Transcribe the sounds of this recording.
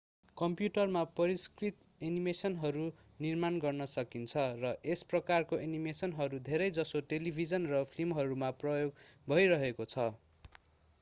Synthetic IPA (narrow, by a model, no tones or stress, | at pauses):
kʌmpjuʈʌrmapʌɾiskrit̪ | enimesʌnɦʌɾu | nirmanɡʌrnʌsʌkint͡sʰʌrʌʔesprʌkarkoʔenimesʌnɦʌɾud̪ʱeɾʌjd͡zʌsoʈelibʱid͡zʌnrʌpʰlimɦʌɾumaprʌjoɡbʱʌjɾʌɦekot͡sʰʌ